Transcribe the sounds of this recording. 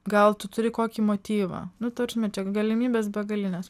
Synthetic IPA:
ɡɐlˠt̪ʊt̪ʊɾʲɪkoːkʲiːmoːt̪ʲiːʋɑ̰ːnʊt̪ɐɾʲʒʲmʲɛt͡ʃʲɛɡɐlʲɪmʲiːbʲeːsbʲɛɡɐlʲɪnʲes

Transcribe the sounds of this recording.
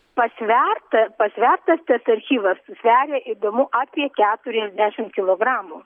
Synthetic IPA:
pɐsʲʋʲɛrt̪ɐpɐsʲʋʲɛrt̪ɐst̪ɐsɐɾʲxʲiːʋɐsːʊsʲʋʲæːɾʲeːʔiːd̪oːmʊʔɑːpʲiɛkʲæːt̪ʊɾʲɛzʲd̪ʲæʃʲɪmkʲɪlˠoːɡɾɑːmuː

